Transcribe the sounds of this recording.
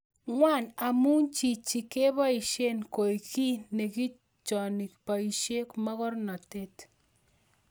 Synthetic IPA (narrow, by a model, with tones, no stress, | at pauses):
ŋwa˦˨na˨mu˦nt͡ʃi˨t͡ʃi˨ke˦βa˦i˨ʃe˦nko˨i˨ki˦ne˨ki˦ | t͡ʃɔ˨ni˨k̚pa˨i˨ʃe˦kma˦ɣɔ˦ɾnɔ˨te˦t